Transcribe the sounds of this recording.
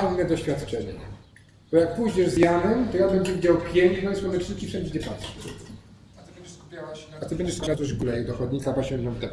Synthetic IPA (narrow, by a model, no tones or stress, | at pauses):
vnɛd̪ɔɕfʲat̪t͡ʂɛɲɛ̰ | b̥ɔjak̚puʑɲɛʐzjanɛmt̪ɔjab̪ɛnd͡ʑɛvʲid͡ʑawpʲjeɲnɔjɛsmɔnɛt͡ʂiskʲifʂɛnd͡ʑɛd͡ʑɛpatʂɛ̥ | t̪ɛd͡ʑɛupʲawaat̪ɘbɛɲd͡ʑɛʂsabʲjazɔd͡ʑɡulɛjɛd̪ɔxɔd̪ɲik̪apaɕʲɛnt̪nɔ̃wd̪ɛp